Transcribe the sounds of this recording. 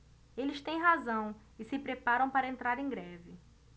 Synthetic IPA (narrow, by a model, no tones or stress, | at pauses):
elɪst̪ẽj̃ɦazɐ̃w̃ | ɪsɪpɾepaɾɐ̃w̃paɾɐẽnt̪ɾaɾẽj̃ɡɾɛvɪ